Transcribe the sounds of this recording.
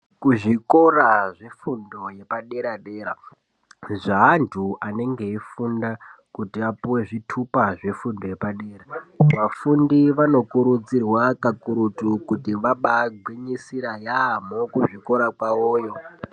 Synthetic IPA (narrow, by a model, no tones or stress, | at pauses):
kuʐiko̞raʐefundo̞je̞paɗe̞ɾaɗeːɾa̰ | ʐaɦantʰuʔane̞ŋɡe̞ifunda | kutiapuwe̞ʐitʰupaʐe̞fundo̞je̞paɗe̞ːɾaʋafundiʋano̞kuɾud͡zirwakakuɾutukutiʋaɓaɡʱwiɲisiɾajamokuʐiko̞ɾakwaoːjo